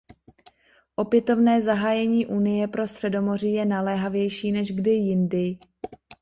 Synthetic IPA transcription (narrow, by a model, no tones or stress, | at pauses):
ʔo̞pjɛt̪o̞vnɛːzaɦaːjɛɲiːʔuːnɪjɛpɾo̞st̪r̥ɛdo̞mo̞r̝ijɛnalɛːɦavjɛjʃiːnɛʒɡdɪjɪndɪ